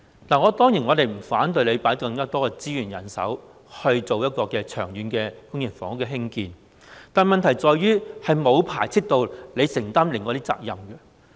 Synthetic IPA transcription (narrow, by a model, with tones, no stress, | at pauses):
naː˨˩ŋɔː˨˧t̪ɔː˥ŋjiː˨˩nŋɔː˨˧t̪e˨jm̩˨˩faː˨˥nt̪ɵ˧ɥle˨˧jpaː˨˥jkɐ˧ŋkaː˥t̪ɔː˥kɛ˧t͡siː˥jyː˨˩njɐ̰˨˩nsɐ̰˨˥w | hɵ˧ɥt͡so˨wjɐ˥t̚kɔː˧kɛː˧t͡ʃʰœː˨˩ŋjyː˨˧nkɛː˧kʊ˥ŋjɪ˨˩nfɔ̰ː˨˥ŋʊ˥kːɛː˧ɦɪ˥ŋkiː˨˧n | t̪aː˨nmɐ˨nt̪ʰɐ˨˩jt͡sɔː˨jɥyː˥hɐ˨jmo˨˧wpʰaː˨˩jt͡sʰi˥k̚t̪o˨˧wle˨˧jsɪ˨˩ŋt̪aː˥mlɪ˨ŋkɔː˧t̪i˥t͡sa̰ː˧k̚jɐ˨mɡɛ˧